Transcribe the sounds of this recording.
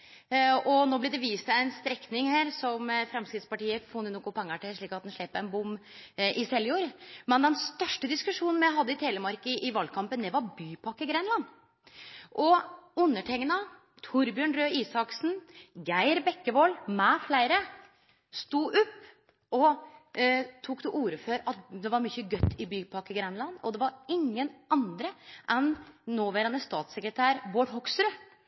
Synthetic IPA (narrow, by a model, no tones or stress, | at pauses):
ɔnoːblɛd̪ɛʋiːst̪æɪnst̪ɾɛknɪŋheːɾsɔmfɾɛmskɾɪt̪spɑʈiːəfɔnd̪ənʊkːʊpʰɛŋːəʈɪʂɭiːkɑt̪̚d̪ɛnʂɭɛpəɾɛnbʊmʔɪsɛljuːɾmɛnd̪ɛnst̪œʂʈəd̪ɪskʉʂuːnn̩mæɦɑd̪ːəɪt̪ʰeːləmɑɾkəʔɪʋɑld̚kʰɑmpənd̪ɛʋɑɾbyːpʰɑkːəɡɾɛnlɑn | ʔɔʉnːəʈʰɛŋnɑ | t̪ʰʊɾbjøːɳɾøːiːsɑksn̩ɡæɪɾbɛkːəʋoːlmɛflæɪɾə | st̪uːʔʉpː | ɔ | t̪ʰuːkd̪ɛʔuːɾəfɔɾɑt̪d̪ɛʋɑɾmʏçəɡœt̪ʰːɪbyːpʰɑkːəɡɾɛnlɑnɔ̰d̪ɛʋɑɾɪŋːənʔɑnd̪ɾəʔɛnːoːʋæːɾɑnəst̪ɑːt̪səkɾət̪ʰæːɾboːʈɦɔkst̪ɾø